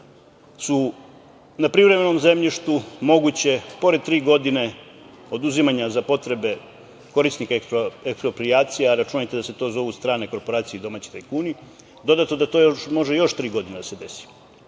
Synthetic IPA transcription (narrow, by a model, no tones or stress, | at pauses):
su | napɾiʋɾe̞me̞no̞mzemʎiʃt̪umo̞ɡut͡ɕe̞po̞ɾed̪̚t̪ɾiːɡo̞d̪ine̞ | o̞d̪uzimaɲazapo̞t̪ɾe̞be̞ | ko̞ɾisnikaekspɾopɾiaːt̪sijeɾat͡ʃunajt̪e̞d̪ase̞t̪o̞zo̞ʋust̪ɾaːneko̞ɾpo̞ɾaːt̪sijid̪o̞maːt͡ɕi̥t̪ajkuːni | d̪o̞d̪at̪nod̪at̪o̞joʃmo̞ʒejo̞ʃt̪ɾiːɡo̞d̪ined̪ase̞d̪e̞si̥